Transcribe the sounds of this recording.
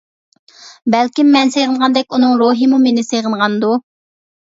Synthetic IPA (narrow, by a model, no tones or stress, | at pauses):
bɛlkʲimːɛnsejʁənʁɑnd̪ɛkʲunɨŋɾoɦɨmumenɪsejʁənʁɑnd̪u